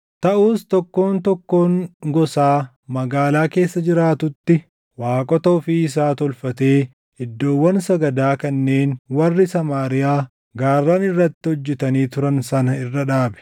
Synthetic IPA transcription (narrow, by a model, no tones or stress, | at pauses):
t̪ɐʔuːst̪ɔkːo̞ːnt̪ɔkːo̞ːŋɡɔsaː | mɐɡaːlaːke̞ːsːɐd͡ʒɪɾaːt̪ʊt̪ːɪ | waːkʼɔt̪ɐʊfiɪs̬aːt̪ɔlfɐt̪e̞ː | ɪd̪ːo̞ːwːɐnsɐɡɐd̪aːkɐnːe̞ːnwɐrːɪsɐmaːɾɪjaː | ɡaːrːaːnɪrːɐt̪ːɪɔd͡ʒːɛt̪ɐniːt̪ʊɾɐnsɐnɐɪrːɐᶑaːbɛ̥